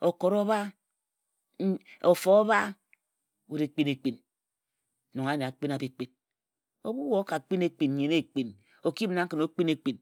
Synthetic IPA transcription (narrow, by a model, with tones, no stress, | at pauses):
o˨ko˨ɾo˦ba˦ | o˨fo˦o˦ba˦ | wu˨ɾe˨k͡pi˦ne˨k͡pi˨n˨ | no˨ŋa˦ne˨a˨k͡pi˦na˨bi˦k͡pi˦n | o˦bu˦wo˨˦ka˨k͡pi˦ne˦k͡pi˨n˨ɲe˨ne˦˨k͡pi˨n | o˨ki˦m˨na˨˦ŋ̩˦kɨ˨no˨˦k͡pi˦ne˨k͡pi˨n